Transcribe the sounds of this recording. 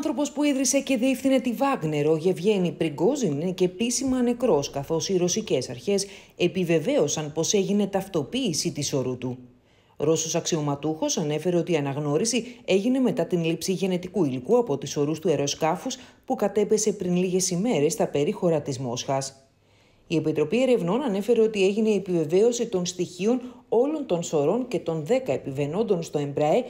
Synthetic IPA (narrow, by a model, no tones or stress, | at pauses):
ɐnθɾo̞po̞spuiðɾise̞ceðiefθine̞t̪ivɐɣne̞ɾo̞ʝe̞vʝe̞nipɾiɡo̞zinice̞pisimɐne̞kɾo̞skɐθo̞siɾo̞sice̞sɐɾçe̞se̞pive̞ve̞o̞sɐnpo̞se̞ʝine̞t̪ɐft̪o̞piːsit̪iso̞ɾut̪u | ɾo̞so̞sɐksio̞mɐt̪uxo̞sɐne̞fe̞ɾe̞o̞t̪iɐnɐɣno̞ɾisie̞ʝine̞me̞t̪ɐt̪inlipsiʝe̞ne̞t̪ikuilikuɐpo̞t̪iso̞ɾust̪ue̞ɾo̞skɐfuspukɐt̪e̞pe̞se̞pɾinliʝe̞sime̞ɾe̞st̪ɐpe̞ɾixo̞ɾɐt̪izmo̞sxɐs | ie̞pit̪ɾo̞pie̞ɾe̞vno̞nɐne̞fe̞ɾe̞o̞t̪ie̞ʝine̞iepive̞ve̞o̞sit̪o̞nst̪içio̞no̞lo̞nt̪o̞nso̞ɾo̞nce̞t̪o̞nðe̞kɐe̞pive̞no̞nd̪o̞nst̪o̞e̞mbɾɐe